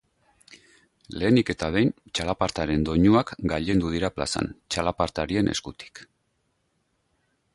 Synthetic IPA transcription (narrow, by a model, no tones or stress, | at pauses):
le̞ːnike̞t̪að̞e̞jnt͡ʃalapaɾt̪aɾe̞nd̪o̞ɲuakɡaʎe̞nd̪uð̞iɾapla̰sa̰nt͡ʃalapaɾt̪aɾie̞ne̞̰skut̪i̥k